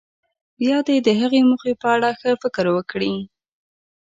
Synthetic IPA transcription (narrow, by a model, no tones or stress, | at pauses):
bjɑd̪ed̪əɦaɣemuxepəaɽaxəfɪkɾwəkɽi